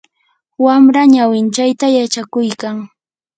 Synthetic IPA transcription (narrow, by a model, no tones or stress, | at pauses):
wamɾaɲawɪnt͡ʃajt̪ajat͡ʃakʊjkaŋ